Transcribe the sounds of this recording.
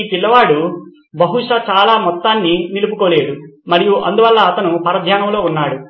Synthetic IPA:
pilːɐʋaːɽu | bɐɦuʂɐt͡ʃaːlaːmɔt̪ːaːnːinilupukoːle̞ːd̪umɐɾijuʔɐ̰nd̪uʋɐlːɐːt̪ɐnupɐɾɐd̪ʱjaːnɐmlo̞ːunːaːɽu

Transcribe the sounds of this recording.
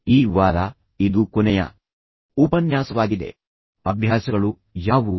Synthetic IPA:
iːʋaːɾɐ | id̪ukɔnɛjɐ̰ | uːpɐnjaːsɐʋaːɡid̪e̞̰ | ɐbʱjaːsɐɡɐɭu | jaːʋu

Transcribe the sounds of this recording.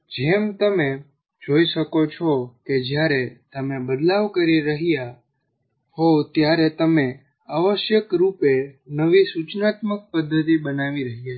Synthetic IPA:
d͡ʒemt̪əme | d͡ʒoiʃəkot͡ʃʰɔked͡ʒjaɾet̪əmebəd̪laʋkəɾiɾəɦija | ɦot̪jaɾet̪əme | aʋəʃjəkɾupenəʋisut͡ʃnat̪mək̚pəd̪ʱːət̪ibənaʋiɾəɦija

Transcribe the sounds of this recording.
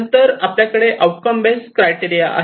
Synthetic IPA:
nt̪əɾapljakəɽeʔawʈkəmbeskɾajʈiɾijaʔə̰

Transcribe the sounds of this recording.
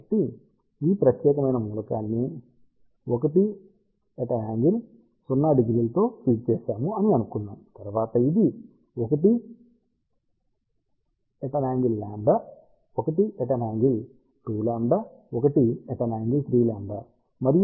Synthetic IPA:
ʈi | iːpɾɐk̪jɛːkɐmɐjnɐmuːlɐkaːnːi | okɐʈi | eʈɐnaːŋɡil | sunːaɖiɡɾilɐt̪o̞ːʈiːk̚t͡ʃeːsaːmuɐniɐnukunːaːmt̪ɐɾʋaːt̪ɐid̪i | okɐʈi | eʈɐnaːŋɡilːaːɳɖɐ | okɐʈieʈɐnaːŋɡil | ʈuːlaːɳɖɐokɐʈieʈɐnaːŋɡilsɾiːlaːɳɖɐ | mɐɾij

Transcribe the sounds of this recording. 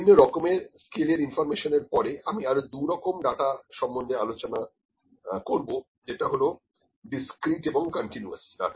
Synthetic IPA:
inːoɾɔkomeɾskeleɾinfɔɾmeʃoneɾpɔɾeamiaɾod̪uɾɔkomɖaʈaʃɔmːond̪ʱealot͡ɕona | koɾbo | d͡ʑeʈaɦolo | ɖiskɾiʈeboŋkɔɳʈinua̰sɖa̰ʈa

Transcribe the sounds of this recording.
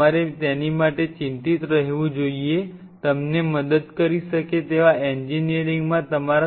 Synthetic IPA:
aɾet̪ɛnimaʈet͡ʃint̪it̪ɾəɦeʋũd͡ʒoie | t̪əmneməd̪əd̪kəɾiʃəket̪eʋaeɲd͡ʒinijəɾiŋɡmãt̪əmaɾa

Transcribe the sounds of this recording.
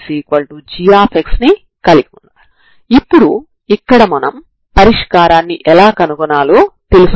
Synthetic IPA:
siːkʋɐlʈud͡ʒijaːpʰeksni | kɐliɡunːa | ipːuɽu | ikːɐɽɐmɐnɐm | pɐɾiʂkaːɾaːnːiʔɛlaːkɐnukɔnaːloːt̪elus

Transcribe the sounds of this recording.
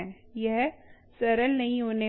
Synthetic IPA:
ɛ̃jɛɦ | sɐɾəlnɐɦĩɦoːne

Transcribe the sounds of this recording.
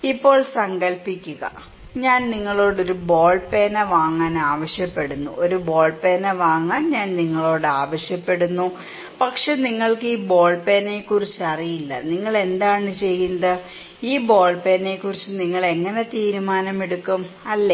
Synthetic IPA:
ipːo̞ːɭsɐŋɡɐlpikʲːuɣɐ̰ | ɲaːnniŋːɐɭo̞ːɽo̞ɾubo̞ːɭpe̞ːnɐʋaːŋːaːnaːʋɐɕjɐpːe̞ɽunːuʔoɾubo̞ːɭpe̞ːnɐʋaːŋːaːnɲaːnniŋːɐɭo̞ːɽɨaːʋɐɕjɐpːe̞ɽunːu | pɐkʂe̞niŋːɐɭkɨiːbo̞ːɭpe̞ːne̞ːkːurit͡ɕːɨɐrijilːɐ̰niŋːɐɭe̞nd̪aːɳɨt͡ɕe̞junːɐðɨ | iːbo̞ːɭpe̞ːne̞kːurit͡ɕːɨniŋːɐɭe̞ŋːɐne̞t̪iːɾumaːnɐmeɽukːumɐlːe

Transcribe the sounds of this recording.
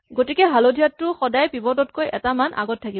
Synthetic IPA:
ɡotikɛɦalodʱijatːʊxɔdajpibɔdɔtkojɛ̰tamanʔa̰ɡɔtʰːakib

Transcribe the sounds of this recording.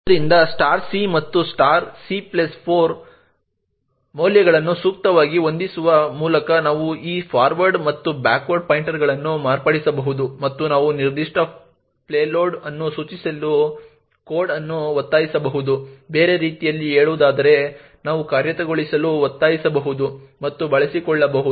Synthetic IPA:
d̪ɐɾind̪ɐsʈaːɾsimɐt̪ːusʈaːɾsiplɐspʰoːɾ | mɐwljɐɡɐɭɐnːusuːk̚t̪ɐʋaːɡio̞nd̪isuʋɐmuːlɐkɐnaːʋuiːpʰaːɾʋɐɾɖmɐt̪ːubaːkʋɐɾɖ̚pɐjɳʈɐɾɡɐɭɐnːumaːɾpɐɽisɐbɐɦud̪umɐt̪ːunaːʋuniɾd̪iʂʈɐ | pleːloːɾɖɐnːusuːt͡ʃisɐlːu | koːɾɖɐnːuʋɐt̪ːaːjisɐbɐɦud̪ube̞ːɾe̞ɾiːt̪ijɐlːieːɭuːd̪aːd̪ɐɾe̞ | naːʋukaːɾjɐt̪ɐɡoɭisɐluʋɐt̪ːaːjisɐbɐɦud̪umɐt̪ːubɐɭɐsikɔɭːɐbɐɦud̪

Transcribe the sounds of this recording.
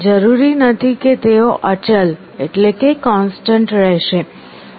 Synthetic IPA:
d͡ʒəɾuɾinət̪ʰiket̪eoʔət͡ʃəl | eʈlekekɔnsʈəɳʈɾɛɦʃe

